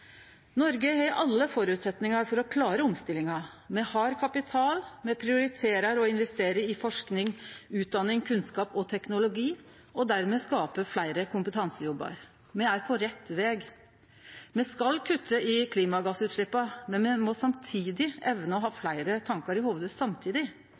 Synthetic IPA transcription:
nɔɾɡəhɛɪʔɑlːəfɔɾʉːt̪sɛt̪nɪŋɑɾfɔɾɔkʰlɑːɾəɔmst̪ɪlːɪŋɑ | mɛhɑːɾkʰɑpɪt̪ʰɑːlmɛpʰɾɪʊɾɪt̪ʰeːɾɑɾɔɪnʋɛst̪eːɾəɪfɔʂknɪŋʉːt̪̚d̪ɑnːɪŋkʰʉnskɑːpɔt̪ʰɛknʊlʊɡiː | ɔd̪æɾmeːskɑːpəflæɪɾəkʊmpət̪ʰɑnsəjɔbːɑ̰ɾ | mɛæɾpʰɔɾɛt̪ːʋeːɡ | mɛskɑlkʰʉt̪ːəʔɪkʰliːmɑɡɑsʉːt̪ʂɭɪpːɑmɛnmɛmɔsɑmt̪ʰiːd̪ɪʔɛʋnəɔɦɑːflæɪɾət̪ʰɑŋkɑɾɪhuːʋəd̪ʉssɑmt̪ʰiːd̪ɪ

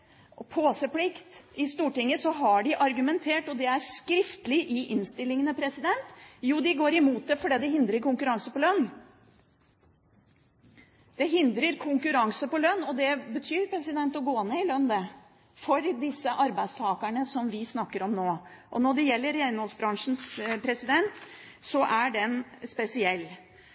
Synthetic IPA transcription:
pʰoːsəpʰlɪkt̪ɪst̪uːʈɪŋːəsɔɦɑɖɪʔɑɾɡʉmɛnt̪ʰeːʈɔd̪ɛæɾskɾɪft̪əlɪʔɪʔɪnst̪ɪlːɪŋənəpʰɾɛsɪd̪ɛnt̪juːd̪ɪɡoːɾɪmuːt̪̚d̪ɛfɔɖiːd̪ɛɦɪnd̪ɾəɾkʊŋkʉɾɑŋsəpɔlœnː | d̪̥ɛɦɪnd̪ɾəɾkʰʊŋkʉɾɑŋsəpɔlœnːɔd̪ɛbət̪ʰyːɾpʰɾɛsɪd̪ɛnt̪ɔɡoːneɪlœnd̪ɛ | fɔɾd̪ɪsːəʔɑɾbæɪst̪ʰɑːkəɳəsɔmʋɪsnɑkːəɾɔmnoːʔɔnɔɖɛjɛlːəɾɛjeːɾɪŋɔlsbɾɑŋʂn̩spʰɾɛsɪd̪ɛnt̪sɔʔæɖɛnspɛsɪɛlː

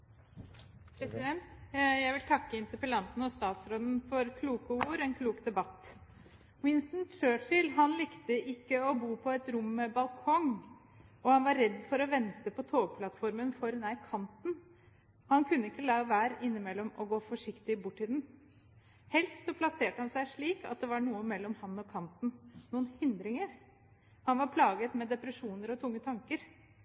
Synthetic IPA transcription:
pʰɾɛsɪd̪ɛnt̪jæɪʋɪlt̪ʰɑkːəɪnt̪əpəlɑnt̪n̩ɔst̪ɑːt̪sɾoːd̪nfɔɾkʰluːkəuɾɛnkʰluːkd̪ɛbɑt̪ː | wɪnst̪nt͡ʃøːt͡ʃɪlɦɑnlɪkt̪əʔɪkːəɔbuːpʰɔɛt̪ɾʊmːɛbɑlkʰɔŋ | ɔhɑnʋɑɾːɛd̪ːfɔɾɔʋɛnt̪əpʰɔt̪ʰoːɡ̚pʰlɑt̪fɔɾmənfɔɾɛnæɪkʰɑnt̪n | hɑnkʰʉnːəɪkːəlæʋæːɾɪnːɪmɛlːɔmɔɡoːfɔʂɪkt̪ɪbʊʈːɪd̪n | hɛlst̪sɔpʰlɑseːʈəhɑnsæɪʂɭiːkɑ̰t̪̚d̪ɛʋɑɳuːəmɛlːɔmhɑnːɔkʰɑnt̪n̩nuːənhɪnd̪ɾɪŋəɾ | hɑnʋɑɾpʰlɑːɡət̪mɛd̪ɛpɾəʂuːnəɾɔt̪ʰʊŋːət̪ʰɑŋkəɾ

